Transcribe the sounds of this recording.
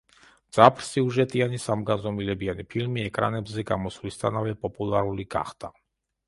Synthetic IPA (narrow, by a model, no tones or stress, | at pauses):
d̪z̥apʰɾsiuʒɛt̪ʼianisamɡanzɔmilɛbianipʰilmiɛkʼɾa̰nɛbzɛɡamɔsvlist̪ʰa̰navɛpʼɔpʼulˠaɾuliɡa̰χd̪a